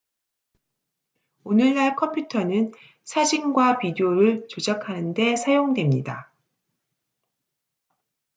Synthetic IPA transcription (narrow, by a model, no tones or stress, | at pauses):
onɯɭːaɭkʰʌmpʰjutʰʌnɯn | sʰad͡ʑiŋɡwapidioɾɯɭt͡ɕod͡ʑʌkʰanɯnde̞sʰajoŋdwe̞mɲida̰